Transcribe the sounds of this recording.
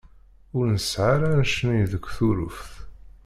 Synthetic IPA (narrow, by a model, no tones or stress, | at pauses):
ʊɾnəsʕaɾanʃənijðəkʷːθuɾʊfθ